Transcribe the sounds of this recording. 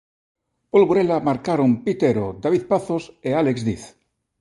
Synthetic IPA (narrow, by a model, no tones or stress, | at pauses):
polɣoɾelamaɾkaɾompit̪eɾod̪aβiðpaθosealekzðiθ